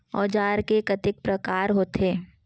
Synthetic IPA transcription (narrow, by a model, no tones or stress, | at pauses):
ɔːd͡ʒaːɾkekɐt̪ɪk̚pɾɐkaːɾɦoːt̪ʰeː